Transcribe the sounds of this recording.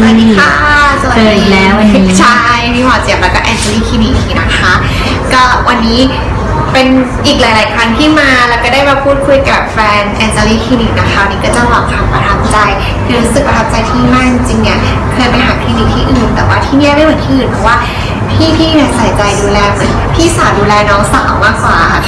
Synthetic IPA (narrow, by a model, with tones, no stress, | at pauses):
a˧nːiː˦˥kʰaː˥˩kʰːa˥˩sa˧i˧lɛː˦˥˩wt͡ɕʰa˥˩jmiː˧˥pʰɔː˨˩˦t͡ɕi˨˩əp̚lɛː˧kɔː˥˩ʔɛː˧nsa˧liː˥˩kʰiː˧˩ni˧˩iː˧˩na˦˥kʰa˦˥ | kɔː˥˩wa˧nːiː˦˥ | pe˧nʔiː˨˩k̚laː˨˦laː˨˩˦jkʰa˧nt̪ʰiː˥˩maː˧lɛː˧˦˩wkɔː˥˩daː˥˩jbaː˧pʰuː˥˩t̪̚kʰu˧jka˨˩p̚fɛː˧nʔɛː˧nsa˧liː˥˩kʰiː˧niː˧˩na˦˥kʰa˦˥wa˧nːiː˦˥kɔː˥˩t͡ɕa˥˩lɔː˨˩k̚t̪ʰaː˧mpɾa˧t̪ʰa˦˥p̚t͡ɕa˧j | kʰɯː˧ɾuː˦˥sɯ˨˩k̚pɾa˧t̪ʰa˦˥p̚t͡ɕa˧jt̪ʰiː˥˩ma˥˩t͡ɕi˧ŋt͡ɕi˧ŋni˦˥ɐ | kʰɤː˧jpa˧jɦaː˨˩˦k̪ʰi˧niː˧˩t̪ʰiː˥˩ʔɯː˨˩nt̪ɛː˨˩waː˥˩t̪ʰiː˥˩ni˥˩da˥˩jmɯ˩˦nt̪ʰiː˥ʔɯː˨˩npʰɔ˧˥waː˥˩ | p̪ʰiː˥˩p̪ʰiː˥˩ni˧˥˩saː˨˩˦jt͡ɕa˧jduː˧lɛː˧mɯ˨˩˦npʰiː˥˩saː˩˦mduː˧lɛː˧nɔː˦˥ŋsa˨˩ʔa˧˩wmaː˥˩k̚waː˨˩a˥˩